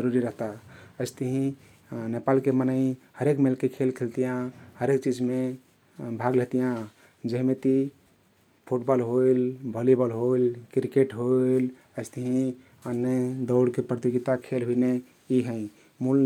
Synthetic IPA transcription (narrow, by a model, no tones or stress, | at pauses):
d͡ʒəɾuɾiɾəɦt̪aəɪst̪əɦĩ | nepalkemənəĩhəɾekmelkekʰelkʰelt̪ijãhəɾekt͡ʃid͡ʒme | bʱaɡleɦt̪ijã | d͡ʒeɦmet̪i | pʰuʈbɔlɦoilbʱəlibəlɦoilkɾikeʈɦol | əɪst̪əɦĩ | ənːed̪ɔʊɽkepɾət̪iɡit̪akʰelɦuine | iɦə̃ĩ | mul